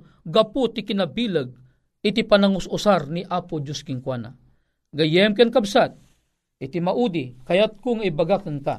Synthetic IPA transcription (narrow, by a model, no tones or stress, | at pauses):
ɡaput̪ikinabiləɡ̚ | it̪ipanaŋʊsusarniʔapud͡ʒʊskiŋkwana̰ | ɡajɛmkankabsat̪̚ | it̪imaʔud̪ikajat̪̚kʊŋaibaɡakənka̰